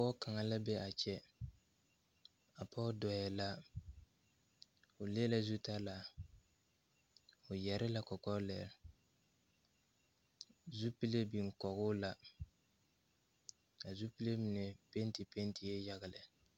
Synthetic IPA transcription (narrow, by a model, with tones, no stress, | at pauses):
ɔ˦ka˨ŋa˨la˦bɛ˦ʔa˨t͡ʃɛ˦ | a˨pɔ˦dɔ˨jɛ˨la˦ | ʊ˨le˦la˨zu˦ta˦la˨ | ʊ˨jɛ˨ɾɪ˦la˦kɔ˨kɔ˦lɛ̰˨ɾ | zu˦pi˦le˦bi˨ŋ˨kɔ˨ɡʊ˦la˨ | a˨zu˦pi˦le˦mi˨nɛ˨pe˦n˦ti˨pe˦n˦ti˨je˦ja˨ɡɪ˨lɪ˨